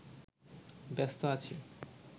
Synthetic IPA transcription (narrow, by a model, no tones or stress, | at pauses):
bɛst̪oat͡ɕʰi